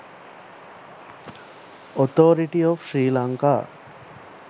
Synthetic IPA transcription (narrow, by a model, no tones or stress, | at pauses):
ot̪oːɾiʈiofʃɾiːlaŋka̰ː